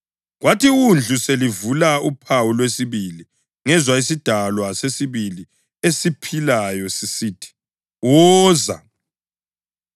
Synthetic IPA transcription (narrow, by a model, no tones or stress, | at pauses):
watʰiund͡ɮʱuselivulaupʰawulwesiβili | ŋɛzwaisid̥ʱalwasesiβili | esipʰilajɔsisiːtʰi̥ | wɔːza̰